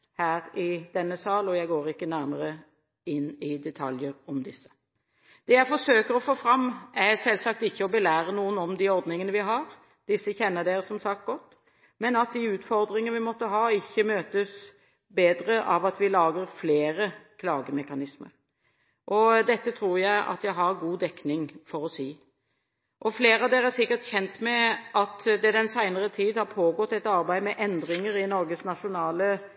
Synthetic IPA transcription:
hæːɾɪd̪̥ɛnːəsɑːlɔjæɪɡoːɾɪkːənæɾməɾə | ɪnːɪd̪ɛt̪ʰɑljəɾɔmd̪ɪsːə̥ | d̪̥ɛːjæɪfɔʂøːkəɾɔfoːfɾɑmːæsɛlsɑk̚t̪ɪçːəɔbəlæːɾənuːənɔmd̪ɪɔɾd̪nɪŋənəʋɪɦɑɾ | d̪̥ɪsːəçɛnːəd̪eːsɔmsɑk̚t̪̚ɡɔt̪ː | mɛnɑt̪̚d̪iʉːt̪fɔɾd̪ɾɪŋənəʋɪmɔt̪ːəɦɑːɪçːəmøːt̪əs | beːd̪ɾəʔɑʋɑt̪ʋɪlɑːɡəɾfleːɾəkʰlɑːɡəmɛkɑnɪsmə̰ɾ | ʔɔd̪ɛt̪ːət̪ʰɾuːʁjæɪʔɑ̰t̪jæɪɦɑɾɡuːd̪ɛkːnɪŋfɔɾɔsiː | ʔɔfleːɾɑʋd̪eːɾæsɪkːəʁt̪çɛnt̪mɛɑt̪d̪ɛd̪ɛnsæɪnəʁət̪ʰiːd̪hɑɾpʰoːɡɔt̪ːɛt̪ɑɾbæɪmɛʔɛnd̪ɾɪŋəɾɪnɔɾɡəsnɑʂʊnɑːlə

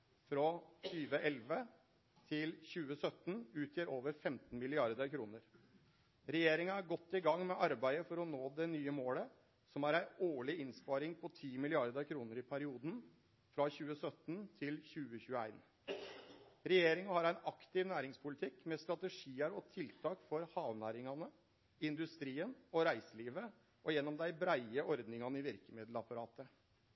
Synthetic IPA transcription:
fɾɔt̪ʰyːʋəʔɛlʋə | t̪ʰɪlçʉːəsœt̪ːn̩ʉːt̪ʰjiːɾoːʋəɾfɛmt̪n̩mɪlɪɑɾd̪əkʰɾuːnəɾ | ɾɛjeːɾɪŋɑæɾɡɔt̪ːɪɡɑŋːmɛʔɑɾbæɪəfɔɾɔnoːd̪ɛnyːəmoːlə | sɔmæɾæɪoːɭɪɪnspɑːɾɪŋpʰɔt̪ʰiːmɪlɪɑɾd̪əkʰɾuːnəɾɪpʰæɾɪuːd̪n | fɾɑçʉːəsœt̪nt̪ʰɪlçʉːəçʉːəæ̰ɪn | ɾɛjeːɾɪŋɑhɑɾæɪnɑkt̪ɪʋnæːɾɪŋspʰʊlɪt̪ʰɪkmɛst̪ɾɑt̪əʂiːəɾɔt̪ʰɪlt̪ʰɑːkfɔɾhɑːʋnæːɾɪŋɑnə | ɪnd̪ʉst̪ɾiːənɔɾæɪsəliːʋə | ʔɔjɛnːɔmd̪æɪbɾæɪəʔɔɾd̪nɪŋɑnəɪʋɪɾkəmɪd̪l̩ɑpɑɾɑːt̪ə

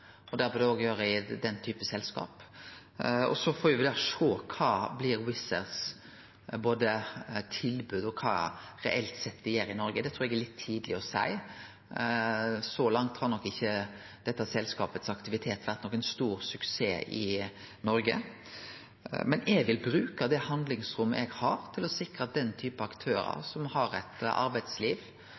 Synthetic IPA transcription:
ɔd̪æɾpɔd̪ɛoːɡjøːɾəɪd̪ɛnt̪ʰyːpəsɛlskɑ̰ːp | ɔ̰sɔfɔːɾjʊʋɪd̪æʂoːkʰɑːblɪɾwɪsəʁs | boːd̪ət̪ʰɪlbʉd̪ɔkʰɑ̰ːɾɛ̰ʔɛlt̪sɛt̪ːd̪ɛjeːɾɪnɔɾɡəd̪ɛt̪ʰɾuːɾɛɡɛɾɭɪt̪ʰːiːd̪lɪɔsæ̰ɪ | sɔlɑŋt̪hɑːɾnɔkːɪçːə | d̪̥ɛt̪ːəsɛlskɑ̰ːpət̪sɑkt̪ɪʋɪt̪ʰeːt̪ːʋæɾt̪nɔkːɛnst̪uːɾsʉkseːʔɪ | nɔɾɡə̰ | mɛnʔɛɡʋɪlbɾʉːkɑd̪ɛhɑnd̪lɪŋsɾʊmːəʔɛɡhɑɾt̪ʰɪlɔsɪkɾəɑt̪̚d̪ɛnt̪ʰyːpəɑkt̪ʰøːɾə̰sɔmhɑɾæt̪ʔɑ̰ɾbæɪd̪sliːʋ

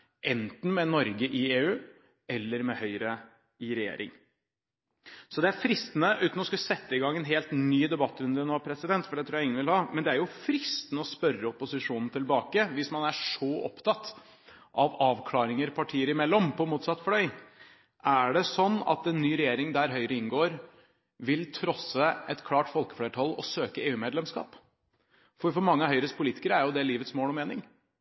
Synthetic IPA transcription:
ʔɛnt̪n̩mɛnɔɾɡəʔɪeːʉː | ɛlːəɾmɛhœʏɾə | ɪɾɛjḛːɾʔɪ̰ŋ | sɔd̪ɛæɾfɾɪst̪nəʔʉːt̪n̩ɔskʉsɛt̪ːəɪɡɑŋːɛnɦeːlt̪nyːd̪ɛbɑt̪ːɾʉnd̪əɾnoːpʰɾɛsɪd̪ɛnt̪fɔɖɛt̪ɾuːjæɪŋːənʋɪlhɑmɛnd̪ɛæɾjʊfɾɪst̪nəɔspœɾːəɔpʊsɪʂuːnn̩t̪ʰɪlbɑːkəʋɪsmɑnæʂɔʔɔ̰pt̪ʰɑt̪ː | ʔɑʋɑːʋkʰlɑːɾɪŋəɾpʰɑʈʰiːəɾəɪmɛlːɔmpʰɔmuːt̪sɑt̪ːflœʏ | ʔæɖɛsɔnːɑ̰t̪ɛnːyːɾɛjeːɾɪŋd̪æɾɦœʏɾəɪnɡoːɾ | ʋɪlt̪ʰɾɔsəɛt̪kʰlɑːʈfɔlkə̥fleːʈʰɑlːɔ̰søːkəeːʉːmeːd̪lɛmskɑ̰ːp | fɔɾfɔɾmɑŋːəɦœʏɾəst̪pʰʊliːt̪ɪ̥kəɾæɾjʊd̪ɛliːʋət̪smoːlɔmeːnɪŋ

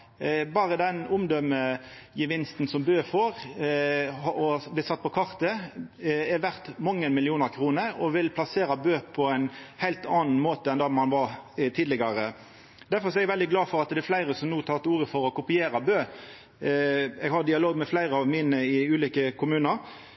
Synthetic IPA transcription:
bɑːʁəd̪ɛnʊmd̪œməjəʋɪnst̪n̩sɔmbøːfɔɾ | hɔblɪːsɑt̪̚ːpʰɔkʰɑʁt̪ə | ɛɾʋæʁt̪mɑŋːəmɪlɪuːnəɾkʰɾuːnəɾɔʋɪlpʰlɑseːɾɑbøːpʰɔæɪnhæɪlt̪ɑnn̩moːt̪əɛnd̪ɑːmɑnʋɑʁt̪ʰiːd̪lɪɡɑɾə | d̪æɾfɔʁsɔɛɡʋɛld̪ɪɡlɑːfɔɾɑt̪d̪ɛɛflæɪɾəsɔmnuːt̪ʰɑːʁt̪uːɾəfɔɾɔkʊpɪeːɾɑbøː | ɛɡhɑɾd̪ɪɑloːɡmɛflæɪɾəɑʋmɪnəɪʉːliːkəkʰʊmʉːnəɾ

